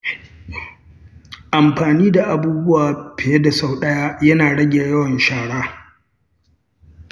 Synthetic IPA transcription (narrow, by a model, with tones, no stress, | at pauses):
ʔa˨mɸaː˨niː˦da˨ʔa˨buː˦bʊ˦waː˨ɸe˨e˦da˨sa˦˨wɗɐ˦jaː˦jɐ˦naː˨ɽɐ˦ɡʲe˨jɐ˦wɐ˨nʃaː˨ɽaː˦